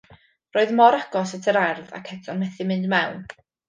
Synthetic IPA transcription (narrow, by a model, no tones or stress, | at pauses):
roːɨðmɔɾaɡɔsatʰəɾarða̰kʰɛtʰɔnmɛθɪmɪndmɛwn